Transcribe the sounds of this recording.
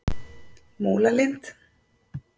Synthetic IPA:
moːlalɪnt̪

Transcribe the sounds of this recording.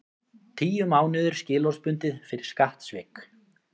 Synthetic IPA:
t̪ʰiːjʏmaːwnɪðʏɾ̥scɪːlɔ̥spʏnt̪ɪðfɪɾɪɾ̥skaht̪svɪːk

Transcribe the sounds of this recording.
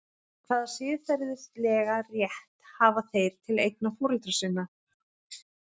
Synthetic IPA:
θaːðasɪːðθɛɾðɪst̪lɛːɣarjɛht̪haːvaθejɾ̥t̪ʰɪlejk̚nafɔːɾʏlt̪ɾasɪnːa

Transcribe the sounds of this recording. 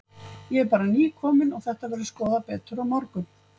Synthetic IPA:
jɛɛɾpaːɾaniːkʰɔːmɪnɔɣθɛht̪avɛːɾðɪskɔːðapɛːt̪ʏɾawmɔɾkʏm

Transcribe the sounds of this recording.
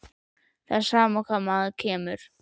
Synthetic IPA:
θaðsaːmakʰaːmaðcʰɛːmʏɾ̥

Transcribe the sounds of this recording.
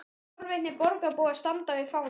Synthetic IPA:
ɾvɪnːɪpɔɾkapoːast̪ant̪avɪfaːw

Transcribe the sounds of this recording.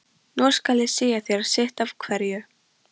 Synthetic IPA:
nɔ̥skalðɪsiːjaθɛɾḁsɪht̪av̥kʰvɛɾjʏ

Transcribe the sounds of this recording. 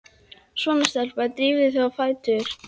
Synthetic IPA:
svɔnast̪ɛlpat̪ɾiːvðɪθaafaːjt̪ʏɾ̥

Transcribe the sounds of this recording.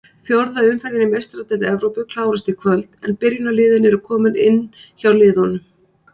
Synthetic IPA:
fjowɾðaʏmfɛɾjɪnɪmɛst̪ɾat̪ɛt̪ɛvɾowpʏkʰlaːwɾast̪ɪkʰvœlt̪ɛnpɪɾjʏnalɪːðɪnɛɾʏkʰɔːmɪnɪnːçawlɪːðɔnːʏ

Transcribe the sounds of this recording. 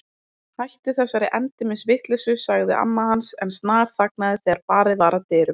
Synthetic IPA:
hajht̪ɪθɛsːaɾɪʔɛnt̪ɪmɪnsvɪht̪lɛsʏsaɣðɪ̰ʔa̰nːahansɛ̰nst̪naːɾ̥θak̚naðɪθɛɣaɾpaːɾɪvaːɾat̪ɪːɾʏm

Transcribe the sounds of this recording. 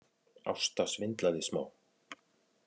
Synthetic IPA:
a̰wst̪asvɪnt̪laðɪsma̰ːw

